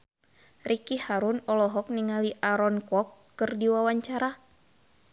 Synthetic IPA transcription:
rikihaɾunɔlɔɦɔk̚niŋaliʔaɾɔnkɔkːɨrdiwawaɲt͡ʃaɾa

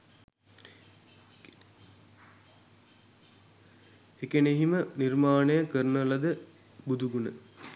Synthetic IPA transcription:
ekeneɦimənirmaːnejɐkəɾnɐlɐd̪ə | bud̪uɡunə̰

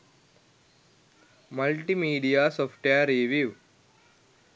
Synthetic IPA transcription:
məlʈimiːɖiasɔːfʈaɾeʋiʋ

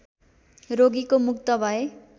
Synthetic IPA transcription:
ɾoɡikomuk̚t̪ʌbʱʌe

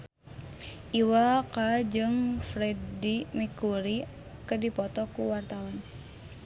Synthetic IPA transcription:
ʔiwakad͡ʒɨŋfɾɛdimikuɾi | kədipɔt̪ɔkuwart̪awan

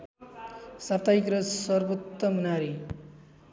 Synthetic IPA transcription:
sapt̪aikrʌsʌrbʌt̪ːʌmunaɾi

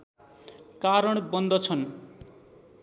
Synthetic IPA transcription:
kaɾʌɽ̃bʌnd̪ʱʌt͡sʰʌn

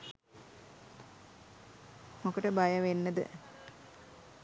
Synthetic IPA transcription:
mokəʈəbajəʋenːəd̪ə̰

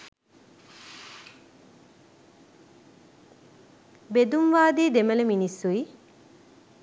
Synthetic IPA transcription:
bed̪umʋaːd̪iːd̪emələminisːui

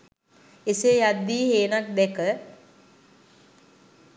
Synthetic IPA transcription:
esejad̪ːiːheːnak̚d̪ɛkə

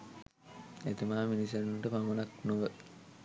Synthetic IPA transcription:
et̪imaːminis̬enuɳʈəpaŋɡonaknoʋə

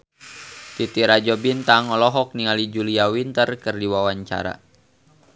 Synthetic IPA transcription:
t̪it̪iɾad͡ʒɔbint̪aŋɔlɔɦɔk̚niŋalid͡ʒuliawint̪ərkɨrdiwawaɲt͡ʃa̰ɾa̰

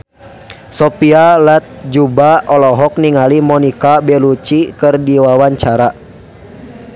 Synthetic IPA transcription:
sɔpialat̪̚d͡ʒubaɔlɔɦɔk̚niŋalimɔnikabɛlut͡ʃikɨrdiwawaɲt͡ʃaɾa

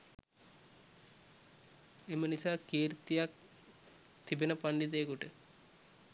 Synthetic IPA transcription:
emənisaːkiːɾit̪ijak̚ | t̪ibenəpanɖit̪̬ejəkuʈə

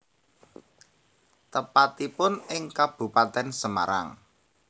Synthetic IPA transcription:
t̪əpat̪ipʊnɪŋkab̥ṳpat̪ɛnsəma̰ɾa̰ŋ

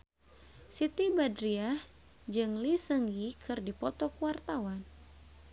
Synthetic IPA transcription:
sit̪ibadɾiah | d͡ʒɨŋlisəŋikʰɨrdipɔt̪ɔkuwart̪awan

